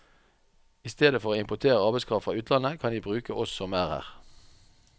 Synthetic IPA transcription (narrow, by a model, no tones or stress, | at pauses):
ɪːst̪eːd̪əfɔʁoːɪmpʊt̪ʰeːʁəɑʁbæɪskʰʁɑːʋfʁɑːʉːt̪ʰlɑnəkʰɑnjiːbʁʉːkəʔɔsɔmæːʁhæ̰ːʁ